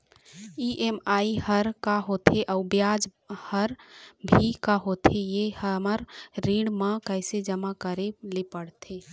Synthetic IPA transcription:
iʔemaihəɾkaɦot̪ʰeʔəʊbjad͡ʒ | həɾbʱikaɦot̪ʰejehəməɾɾiɽmakəɪsed͡ʒəmakəɾelepəɽt̪ʰe

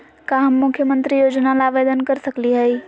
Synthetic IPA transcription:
kaɦəmːukʰːjəmənt̪ɾijod͡ʒnalaʋed̪ənkəɾsəkliɦəj

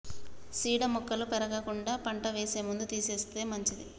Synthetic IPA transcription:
siːɽɐmukːɐlupɛɾɐɡɐkuɳɖaːpɐɳʈɐʋeːse̞ːmund̪ut̪iːse̞ːst̪e̞ːmɐɲt͡ʃid̪i

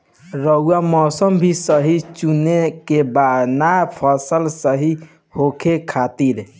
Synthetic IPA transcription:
ɾəuamɔsəmbʱisəɦit͡ʃunekebanapʰəsəlsəɦi | hokʰekʰat̪iɾ

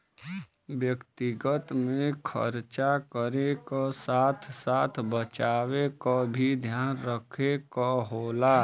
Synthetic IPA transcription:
wjəkt̪ɪɡət̪mẽkʰə̰ɾt͡ʃakəɾekasaːt̪ʰsaːt̪ʰbət͡ʃaːwekabʱid̪ʱjaːnɾəkʰekaɦoːlaː

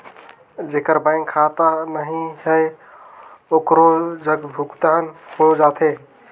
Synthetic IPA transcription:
d͡ʒekəɾbãɪŋkʰːat̪anəɦiɦəj | okɾod͡ʒəɡbʱuɡt̪anhod͡ʒat̪ʰe

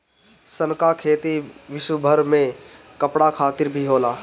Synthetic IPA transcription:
sənkakʰeːt̪iʋɪʃwəbʱəɾmẽ | kɐpɽakʰaːt̪ɪɾbʱiɦoːlaː

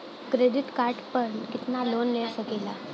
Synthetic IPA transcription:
kɾeɖiʈkaɾʈpəɳkit̪nalonlesəkela

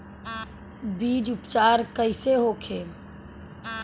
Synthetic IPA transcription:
biːd͡ʒʊpt͡ʃaːɾkəɪseɦokʰeː

